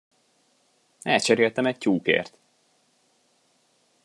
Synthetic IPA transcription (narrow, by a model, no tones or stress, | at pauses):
ɛlt͡ʃɛɾelt̪ɛmɛc̚t͡ɕuːkḛːrt̪